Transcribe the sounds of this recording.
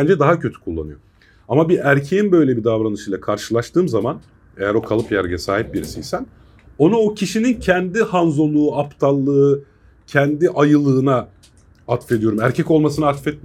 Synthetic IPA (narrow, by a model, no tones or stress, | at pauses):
ænd͡ʒɛd̪aɦacʰø̞t̪ʰy̥kʰulˠːa̰nɯjo | amabiʔæɾcʰejinbø̞jlʲebid̪avɾanɯʃɯjlˠakʰaɾʃɯlˠaʃt̪ʰɯːmzaman | e̞jæɾo̞kʰalˠɯpjæɾɟɛsaːɦip̚biɾisijsæn | o̞nao̞cʰiʃinincʰɛnd̪ihanzo̞lˠuːapt̪ʰalˠːɯɯ | cʰɛnd̪iʔajɯlˠɯːna | at̪fe̞d̪ijo̞ɾumæɾcʰɛco̞lˠmasɯnaat̪fɛt̪̚m